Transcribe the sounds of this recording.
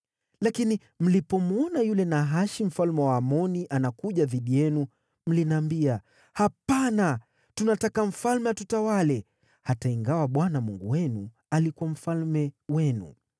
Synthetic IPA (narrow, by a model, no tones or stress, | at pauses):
lakini | m̩lipɔmuɔnajulɛnaɦaʃim̩falmɛwaːmɔniʔanakuʄaðiɗijɛnu | m̩linaːmbia | hapana | tunatakam̩falmɛwatutawalɛ | hataiŋɡawaɓwanamuŋɡuwɛnu | alikuam̩falmɛwɛnṵ